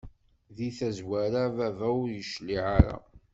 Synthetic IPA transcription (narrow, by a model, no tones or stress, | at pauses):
ðiθæzwæɾavævæʊɾjəʃliʕaɾa̰